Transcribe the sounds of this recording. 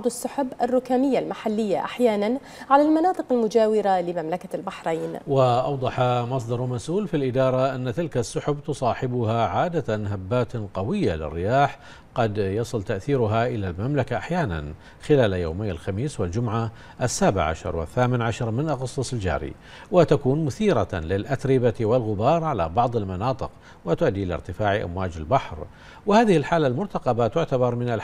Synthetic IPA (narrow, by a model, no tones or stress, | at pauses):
d̪ˤasːʊħʊbʔarːʊkaːmɪjːalmaħalːɪjːaʔaħjaːnan | ʕalalmanɑːt̪ˤɨqalmʊd͡ʒaːwɪɾalɪmamlakalbaħɾˤaːnwɪʔɑ̰wd̪ˤɑħɑmɑs̬ˤd̪ˤɑɾˤmasʔuːlfilʔɪd̪ɑːɾˤɑʔanːat̪ɪlkasːʊħʊbt̪ʊsˤɑːħɪbʊhaʕaːd̪aɦabːaːt̪qɑwɪjːa̰lɪ̰rːɪjaːħ | qɑd̪jɑsˤɨlt̪aʔθiːɾʊɦaʔɪlalmamlakaʔaħjaːna̰n | xɪlaːlajo̰ːmeːnɪlxamiːswɪld͡ʒʊmʕa | ʔasːaːbɪʕa̰ʃɑ̰ɾˤwɪ̰θːaːmɪnʕaʃɑɾˤmɪnʔaɣɑsˤːɑsˤɪld͡ʒa̰ːɾḭ | wɪt̪akuːnmʊθiːɾɑlɪlʔat̪ɾɪbawɪlɣʊbɑːɾˤʕala̰bɑʕðˤɪlmɑnɑːt̪ˤɨq | wɪt̪ʊʔad̪ːiʔɪla̰ɾt̪ɪfaːʕʔa̰mwaːd͡ʒɪ̰lbaħɾ | wɪhaːðɪhɪlħaːlːalmʊɾt̪ɑqɑbat̪ʊʕt̪abɑɾˤmɪnal